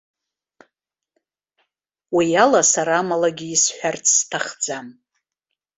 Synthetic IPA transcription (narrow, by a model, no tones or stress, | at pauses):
wijalasaɾaːmalaɡʲiisħʷᶣart͡sʰstʰaχd͡zam